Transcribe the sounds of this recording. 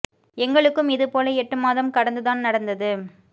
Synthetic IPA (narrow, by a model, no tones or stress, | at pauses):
ɛŋɡɐɭɯkːɯmɪðɯpoːlɐɛʈːɯmaːðɐmkɐɽɐnd̪ɯðaːnnɐɽɐnd̪ɐðɯ